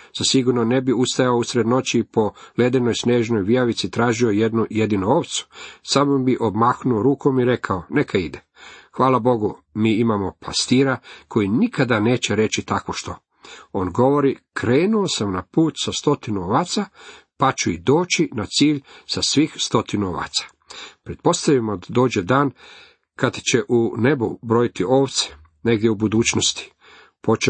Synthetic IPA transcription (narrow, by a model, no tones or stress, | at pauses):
z̥asiɡuɾnone̞biust̪ajaousɾed̪no̞t͡ɕipo̞led̪eno̞jsneːʒno̞jʋiaʋit̪sit̪ɾaːʒio̞jed̪nuje̞d̪inuoʋt̪su̥samombiʔobmaknuoɾuːkʰo̞miɾe̞kʰaone̞kʰaid̪e | xʋaːlabo̞ɡu | miːimamo̞pʰast̪iːɾakʰo̞jinikʰad̪aneːt͡ɕeɾe̞t͡ɕit̪akʋo̞ʃt̪o̞ | oːnɡo̞ʋo̞ɾikʰɾe̞ːnuosamnapuːt̪sast̪o̞t̪inuoʋaːt̪sapat͡ʃuid̪o̞ːt͡ʃinat̪siːʎsasʋiːxst̪o̞t̪inuoʋa̰ːt̪sḁ | pɾet̪̚po̞st̪aʋimod̪o̞ːd͡ʑed̪aːn | kad̪t͡ɕe̞ʔune̞bubɾo̞jit̪iʔo̞ːʋt̪se̥ | ne̞ɡd̪ʲjeubud̪uːt͡ʃnost̪i̥ | po̞t͡ʃe